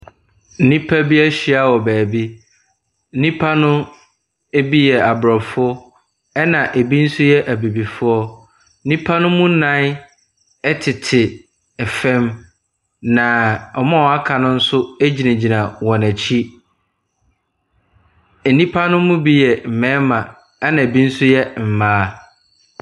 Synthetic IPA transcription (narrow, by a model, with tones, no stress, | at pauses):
n̩˦nĩ˦pʰa˦bi˦æ˦ɕi˦a˦wɔ˨bæː˨bi˦ | n̩˦ĩ˦pʰa˦nʊ̃˦ | e˦bi˦jɛ˨a˨bɾɔ˨fʊ˦ɔ˦ | ɛ˦nã˨ʔe˨bi˦n̩˦sʊ˦jɛ˦ʔæ˨be˨bi˨fʊ˦ɔ˦ | n̩˦nĩ˦pʰa˦nʊ̃˦mũ˦nã˦ | ɛ˦tʰɪ˨tʰɪ˨ | ɛ˨fɛ̃˦m | nã˨ɔ˨mã˦ɔ˨a˦kʰa˨nʊ̃˦n̩˦sʊ˦æ˦d͡ʑi˨nã˨d͡ʑi˨nã˨wɔ̃˨næ˨t͡ɕʰi˦ | e˨nĩ˦pʰa˦nʊ̃˦mũ˦bi˦jɛ˨m̩˨mɛ̃˦mã˨ | ɛ˦nã˨e˨bi˦n̩˦sʊ˦jɛ˦m̩˨mãː˦